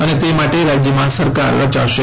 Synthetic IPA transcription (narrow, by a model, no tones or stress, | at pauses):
ənet̪emaʈeɾad͡ʒjəmãsəɾka̰ɾʋət͡ʃa̰ʋʃe